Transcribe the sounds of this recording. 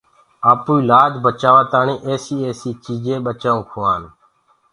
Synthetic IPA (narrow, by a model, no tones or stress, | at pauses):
aːpuːiːlaːd͡ʒbət͡ʃaːʋaːt̪aːnĩːʔeːsiːeːsiːt͡ʃiːd͡ʒẽːɓət͡ʃaːũːkʰʊːaːn